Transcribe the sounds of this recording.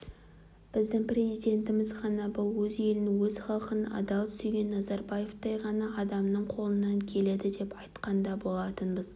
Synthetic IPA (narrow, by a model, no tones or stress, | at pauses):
b̥ɪzd̪ɪŋprʲe̞zijd̪ʲe̞nt̪ɪmɪzʁɑnɑbʊlˠwɵze̞lɪnɪwɵz̥χɑlˠqənɑ̰d̪ɑlˠt̪ʰʏ̥seɡʲe̞nːɑzɑrbaje̞ft̪ɑjʁɑnɑːd̪ɑmnəɴqʰo̞lˠənːɑŋkʲʰe̞le̞d̪ɪd̪e̞pɑjt̪qɑnd̪ɑbo̞lˠɑt̪ənbəz